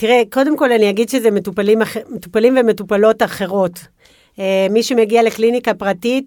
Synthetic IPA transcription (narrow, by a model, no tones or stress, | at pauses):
tiʁeko̞de̞mko̞lanijaɡidʃezemetupalimaχemetupalimvemetupalo̞taχe̞ʁo̞t | emiʃemeɡiale̞klinikapʁatit